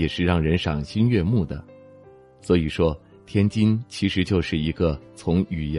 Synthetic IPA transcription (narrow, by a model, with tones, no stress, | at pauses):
ɛ˨˩ʂɻ̩˥˧ɻɑ˥˩ŋɻə˧˥nʂɑ˨˩ŋɕi˥nɥɛ˥˧mu˥˩d̪ə˩ | swɔ˧˥i˨˩ʂwɔ˥ | t̪ʰjɛ˥nt͡ɕi˥nt͡ɕʰi˧˥ʂɻ̩˧˥t͡ɕjo˥˧ʊʂɻ̩˥˩i˧˥ɡə˧t͡sʰʊ˧˥ŋy˨˩jɛ˧